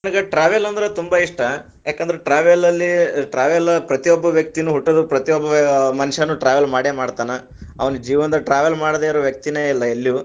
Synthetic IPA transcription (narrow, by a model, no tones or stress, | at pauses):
ɐnɐɡɐʈɾaːʋjɐlɐnd̪ɐɾet̪umbɐiʂʈɐ | jaːkend̪ɾeʈɾaːʋɐlɐlːiʈɾaːʋjɐlɐpɾɐt̪ijɔbːɐʋjɐk̚t̪inuɦuʈːɐd̪upɾɐt̪ijɔbːɐmɐniʂɐnːuʈɾaːʋɐlmaːɽemaːɽt̪aːnɐ | ɐ̰ʋɐnud͡ʒiːʋɐnd̪ɐʈɾaːʋjelmaːɽd̪eːiɾoːʋjɐk̚t̪ineilːɐelːju